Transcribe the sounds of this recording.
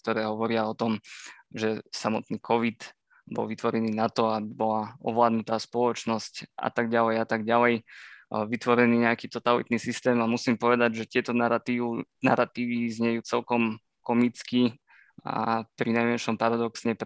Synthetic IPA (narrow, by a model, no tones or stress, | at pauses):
kt̪ɔɾɛːɦɔʋɔɾɪaɔt̪ɔmʒɛsamɔt̪niːkʰɔʋid̪ | bɔ̰lʋit̪ʋɔɾɛniːnat̪ɔabibɔlaɔ̰ʋlaːd̪nut̪aːspɔlɔt͡ʃnɔscʔa̰t̪aɡɟalɛjat̪aɡɟalɛjʋit̪ʋɔɾɛniːɲɛakiːt̪ɔt̪alḭt̪niːsist̪ɛːmamusiːmpɔʋɛd̪aɟʒɛt̪ɪɛt̪ɔt̪ina̰ɾat̪iːʋizɲɛjuːt͡sɛlkɔm | kɔmit͡ski | a̰pɾinajmɛnʃɔmpaɾad̪ɔksɲɛp